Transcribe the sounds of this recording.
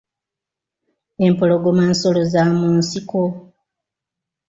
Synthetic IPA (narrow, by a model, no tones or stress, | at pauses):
e̞mpolo̞ɡomansolozamuːnsiko